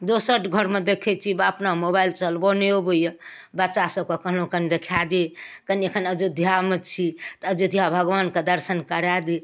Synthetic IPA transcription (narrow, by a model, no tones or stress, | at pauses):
d̪osəʈʰɡʱəɾmed̪ekʰɛt͡ʃʰibəpnamobailt͡ʃəlbɔneobəjə | bətːʃasəb̚kekəɦlokənid̪ekʰad̪ekəniekʰənəd͡ʒod̪ʱjamet͡ʃʰit̪əd͡ʒud̪ʱijabʱəɡʋanked̪əɾsənkəɾad̪e